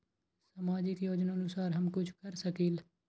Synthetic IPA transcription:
sɐmaːd͡ʒɪkjoːd͡ʒnaənʊsaːɾɦɐmkʊt͡ʃʰkɐɾsəkiːl

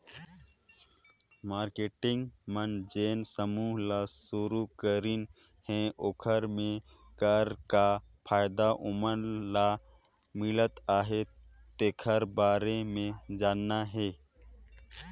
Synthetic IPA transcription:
maːɾkeːʈɪ̃ŋɡmənd͡ʒeːnsəmuːɦlasuɾukəɾin | hẽʔoːkʰəɾmẽ | kəɾka | pʰaːjd̪aʔʊməɾla | mɪlət̪aːɦe | t̪eːkʰəɾbaːɾemẽd͡ʒaːnːaɦɛː

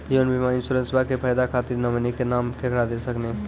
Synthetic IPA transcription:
iənbimainsuɾẽnsbakepʰajd̪akʰat̪iɾnəmənikenamkekɾad̪esəkne

